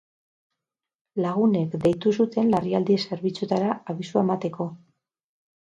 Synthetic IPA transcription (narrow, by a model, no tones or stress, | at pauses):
laɣ̞une̞kd̪e̞jt̪us̬ut̪e̞nlariald̪iese̞ɾβit͡sut̪aɾaaβisuaemat̪e̞ko̞